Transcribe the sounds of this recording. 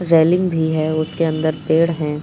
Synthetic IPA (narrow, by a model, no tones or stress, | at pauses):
ɾɛːlɪ̃ŋɡbʱiɦɛːʊskeɐ̃nd̪əɾpeːɽɦɛ̃ː